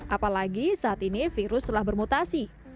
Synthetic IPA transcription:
ʔapalaɡisaʔat̪inifiɾʊst̪əlahbərmut̪asi

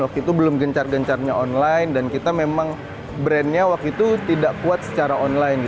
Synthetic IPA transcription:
wak̚t̪uit̪ubəlʊmɡəɲt͡ʃarɡəɲt͡ʃarɲaɔnlajndankit̪amemaŋ | bɾɛnɲawak̚t̪uit̪ut̪idaʔkuat̪̚sə̥t͡ʃaɾaɔnlajnɡi

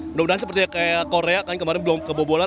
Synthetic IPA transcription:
noundaɦansəpərt̪iakajakoɾeakankəmaɾɪnbəlɔmkəbobola

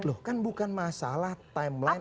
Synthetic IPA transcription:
lʊhkanbukanmasalaht̪ajmlajn

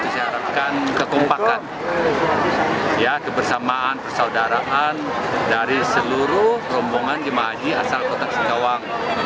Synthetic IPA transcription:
t̪isiaɾat̚kankəkɔmpakan | jakəbərsamaanpərsaudaɾaʔandaɾisəluɾʊhpəɾɔmbɔŋand͡ʒəmaɦad͡ʒiasalkot̪asi̥kawaŋ

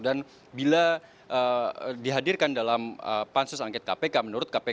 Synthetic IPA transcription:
dan | bila | ʔədiɦadirkandalamə̰pansʊsaŋkɛt̪̚kapekamənuɾʊt̪̚kape

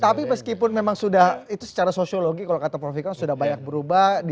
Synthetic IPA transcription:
t̪apiməskipʊnmemaŋsudahit̪usə̥t͡ʃaɾasosioloɡikalokat̪apɾofikɔnsudahbaɲak̚bəɾubadi

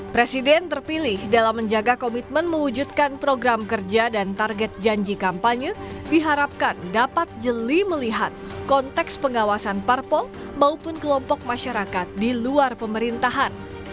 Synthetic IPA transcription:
pɾesidɛnt̪ərpilɪhdalamːəɲd͡ʒaɡakomit̪̚mənməwud͡ʒut̪̚kanpɾoɡɾamkərd͡ʒadant̪arɡɛt̪̚d͡ʒaɲd͡ʒikampaɲədiɦaɾap̚kandapat̪̚d͡ʒəliməliɦat̪̚kɔnt̪ɛkspəŋawasanparpɔl | maupʊnkəlɔmpɔk̚maʃaɾakat̪̚diluarpəməɾint̪aɦan

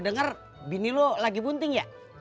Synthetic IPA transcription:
dəŋar | binilolaɡipunt̪ɪŋja

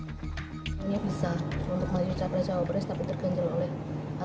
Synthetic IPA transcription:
aɲabisaunt̪ʊk̚mad͡ʒut͡ʃapɾat͡ʃaabɾɛst̪apit̪ərɡ̥aɲd͡ʒalolɛh | a

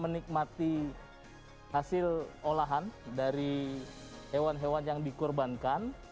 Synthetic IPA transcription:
mənik̚mat̪i | hasɪlolaɦandaɾi | hewanɦewanjaŋdikɔrbankan

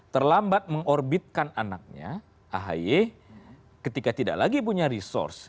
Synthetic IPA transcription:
t̪ərlambat̪̚məŋɔrbit̪̚kananak̚ɲa̰ | ʔaɦa̰je | kət̪ikat̪ida̰ʔlaɡipuɲaɾisɔ̰rs

